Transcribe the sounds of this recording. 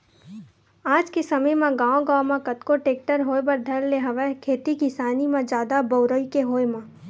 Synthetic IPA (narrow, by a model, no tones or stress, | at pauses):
aːd͡ʒkesɐməjmãɡãːõɡãːwmãkɐt̪koʈeːk̚ʈəɾɦoːebɐɾd̪ʱɐɾleɦɐʋɛkʰeːt̪ikisaːnimãd͡ʒjaːd̪abəʊɾəikeɦoːemã